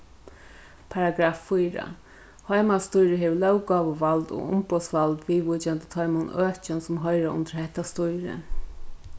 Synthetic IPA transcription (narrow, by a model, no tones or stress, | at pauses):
pʰaɾaɡɾaːfːujɾa̰ | hɔjmast̪ʊjɾɪɦeʋlœwkaːʋʊʋalt̪o̰ʊ̰mpɔsʋalt̪ʋiːʋut͡ʃant̪ə̥t̪ʰɔjmʊnøːht͡ʃɪnsʊmɦɔɪɾaʔʊ̰nt̪əɾhɛht̪ːast̪ʊjɾɪ̰